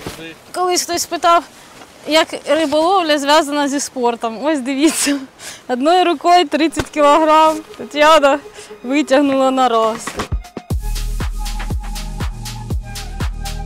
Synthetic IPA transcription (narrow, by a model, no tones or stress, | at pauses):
kɔlˠɪsʲxt̪ɔsʲpɪt̪ɑw | jɐkrɪbɔlˠɔwlʲɐzʋʲjazɐnɐzʲispɔrt̪ɔmɔsʲd̪ɪʋʲit͡sʲːɐɐd̪nɔjiɾʊkɔjt̪ɾɪt͡sʲːɐtʲkʲɪlˠɔɦɾɑmt̪ɔtʲawd̪ɐʋɪtʲɐɦnʊlˠɐnɐɾɔst̪ʲɪ